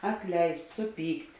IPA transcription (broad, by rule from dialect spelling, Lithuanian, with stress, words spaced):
ɐtʲˈlʲɛɪsʲtʲ sʊˈpʲiːktʲ